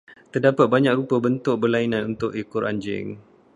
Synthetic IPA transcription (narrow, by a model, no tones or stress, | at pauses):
t̪ərdapat̪̚baɲãk̚ɾupəbənt̪ʊk̚bərlainãnunt̪ʊʔikʊɾa̰ɲd͡ʒɪ̰ŋ